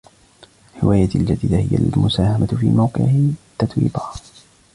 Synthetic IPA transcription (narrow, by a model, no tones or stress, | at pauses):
ħɪ̰wʔaːjald͡ʒad̪iːd̪ahɪja̰lmʊsaːhamat̪fiːmawqɪ̰ʕɪt̪ːat̪wḭːbah